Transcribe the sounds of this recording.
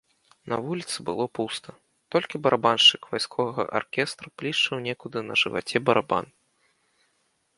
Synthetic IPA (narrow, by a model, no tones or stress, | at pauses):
nɐ̰vulʲit̪sɨbɨlˠɔpust̪ʰɐ | t̪ɔlʲkʲibɐɾʔabanʂt͡ʂɨkvajskʰɔvɐɣɐ̰ʔa̰rkʲɛst̪ɾɐplʲiʂt͡ʂɨwnʲɛkud̪ɨnɐ̰ʐɨva̰t͡sʲɛbɐɾaba̰n